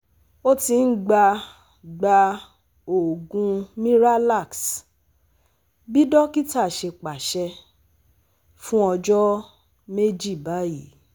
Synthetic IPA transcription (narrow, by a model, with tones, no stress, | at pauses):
o˦ti˧n̩˦ɡ͡ba˧ | ɡ͡ba˧ | o˨ɡũ˧mĩ˦ɾa˦la˦˨ks | bi˦dɔ˦ki˦ta˦˨ʃe˧k͡pa˨ʃɛ˧ | fũ˦ɔ˧d͡ʒɔ˦ | me˦d͡ʒi˦˨ba˨˦ji˨˦